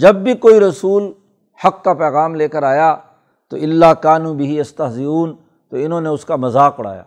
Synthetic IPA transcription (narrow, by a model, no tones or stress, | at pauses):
d͡ʒɐbːikoːiɾɐsuːl | hɐkːapɛːɣaːmleːkəɾaːjaː | t̪o̰ːʔɪlːaːkaːnũːbɪɦiɪst̪ɐɦzɪɾuːn | t̪oːɪnõːneʊskamɐzaːkʊɽ̤a̰ːja̰ː